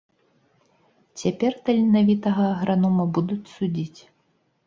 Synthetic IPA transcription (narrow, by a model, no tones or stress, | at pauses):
t͡sʲapʲɛrt̪ɐlʲinavʲit̪ɐɣɐːɣɾanumɐbud̪ut͡sʲsud͡zʲit͡sʲ